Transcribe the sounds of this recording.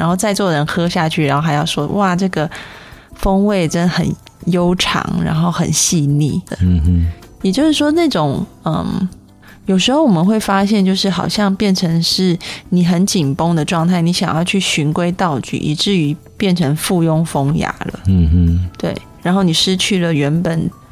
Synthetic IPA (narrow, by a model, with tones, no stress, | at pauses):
ɻa˧˥nxo˥˧ʊt͡sa˥˧ɪt͡swɔ˥˩ɻə˧˥nxɤ˥ɕja˥˧t͡ɕʰy̰˥˩ɻa˧˥nxo˥˩xa˧˥ɪjɑ˥˩ʊʂwɔ˥wʔa˥˩ʈ͡ʂɤ˥˩ɡə˩fə˥ŋwe˥˩ɪʈ͡ʂə˦nxə̰˨˩n | jo˥ʊʈ͡ʂʰɑ̰˧˥ŋɻa̰˧˥nxo˥˩ʊxə̰˨˩nɕi˥˧nḭ˥˩d̪ə̰˩ | jɛ˨˩t͡ɕjo˥˧ʊʂɻ̩˥˩ʂwɔ˥na˥˩ʈ͡ʂʊ˨˩ŋ | ə̰˧˩m | jo˨˩ʊʂɻ̩˧˥xo˥˩ʊwɔ˨˩mə˦nxwe˥˩ɪfa˥ɕjɛ˥˧nt͡ɕjo˥˧ʊʂɻ̩˥˩xɑ˨˩ʊɕjɑ˥˧ŋpjɛ˥˩nʈ͡ʂʰə˧˥ŋʂɻ̩˥˩ni˨˩xə˧˦˥nt͡ɕi˨˩ŋpʊ˥ŋd̪ə˨ʈ͡ʂwɑ˥˧ŋt̪ʰa˥˩ɪni˧˥ɕjɑ̰˨˩ŋjɑ˥˧ʊt͡ɕʰy˥˩ɕy˧˥nkwe˥ɪt̪ɑ˥˧ʊt͡ɕy̰˨˩ʔḭ˨˩ʈ͡ʂɻ̩˥˩y˧˥ | pjɛ˥˩nʈ͡ʂʰə˧˥ŋfu˥˧jʊ˥ŋfo˥ŋja̰˧˥lə̰˨t̪we˥˩ɪ | ɻa˧˥nxo˥˩ʊni˨˩ʂɻ̩˥t͡ɕʰy˥˩lə˩ɥɛ˧˥npə˨˩n